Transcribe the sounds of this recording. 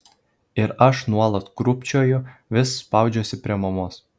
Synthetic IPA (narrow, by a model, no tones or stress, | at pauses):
ɪɾɐʃnuɔlˠɐt̪kɾʊpʲt͡ʃʲoːjʊʋʲɪsːpɑʊd͡ʒʲoːsʲɪpʲɾʲiɛmɐmoɔs